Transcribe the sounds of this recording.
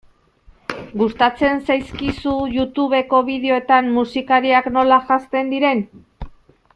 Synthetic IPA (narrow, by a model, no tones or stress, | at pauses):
ɡust̪at͡se̞nsajskisuʝut̪uβe̞ko̞βiðeo̞et̪ammusikaɾiakno̞laʝast̪e̞nd̪iɾe̞n